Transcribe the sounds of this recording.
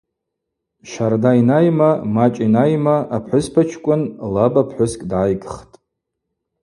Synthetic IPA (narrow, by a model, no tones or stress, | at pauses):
ʃardainajmamat͡ʃʼinajmaʔapʰħʷʊspʰat͡ʃʰkʷʼʊnlabapʰħʷʊskʼdaːjɡʼχtʼ